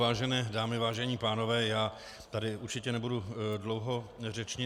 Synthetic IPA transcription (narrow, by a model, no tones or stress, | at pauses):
vaːʒɛnɛːdaːmɪvaːʒɛɲiːpaːno̞vɛːjaː | t̪adɪʔuɾt͡ʃɪcɛnɛbududlo̞wɦo̞rɛt͡ʃɲɪ